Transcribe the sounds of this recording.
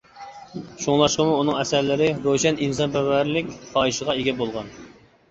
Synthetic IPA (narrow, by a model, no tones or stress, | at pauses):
ʃoŋlˠɑʃqəmuːnɨŋɛsæɾlɪɾɪɾoʃɛninsɑnpɛvæɾlɪkʲχɑːiʃəʁɑeɡʲɛbolˠʁɑn